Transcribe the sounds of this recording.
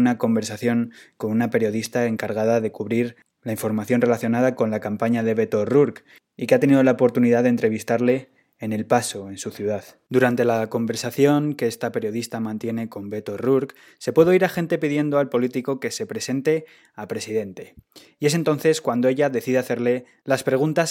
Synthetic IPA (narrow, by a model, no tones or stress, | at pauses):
unako̞mbe̞ɾsaθjo̞ŋko̞nunape̞ɾjo̞ð̞ist̪ae̞ŋkaɾɣ̞aðaðe̞kuβɾiɾ | laiɱfo̞ɾmaθjo̞nre̞laθjo̞nað̞ako̞nlakampaɲaðe̞βe̞t̪o̞ruɾk | ikeat̪e̞niðo̞laopo̞ɾt̪uniðaðent̪ɾe̞β̞ist̪aɾle̞ː | ne̞lpaso̞e̞nsuθjuðað | d̪uɾant̪e̞lako̞mbe̞ɾsaθjo̞ŋkeest̪ape̞ɾjo̞ðist̪amãnt̪je̞ne̞ko̞mbe̞t̪o̞ruɾk | se̞pwe̞ðoiɾaxe̞nt̪e̞piðje̞nd̪oalpo̞lit̪iko̞ke̞se̞pɾe̞se̞nt̪e̞ | apɾe̞siðe̞nt̪e̞ | ie̞s̬e̞nt̪o̞nθe̞skwand̪oe̞ʎaðe̞θiðeaθe̞ɾle̞ | laspɾe̞ɣ̞unt̪as